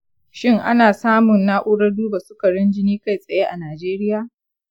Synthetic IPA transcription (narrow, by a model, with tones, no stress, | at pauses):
ʃɪ˦ŋʔa̰˦naː˨saː˦mʊ˨nːaː˦ʔʷʊ˦ɽɐ˦duː˦ba˨sʊ˦ka˨ɽɐ˦nd͡ʒɪ˦niː˦ka˦jsʼɐ˨jeː˦ʔa˨naː˨d͡ʒeː˦ɾɪ˦jaː˨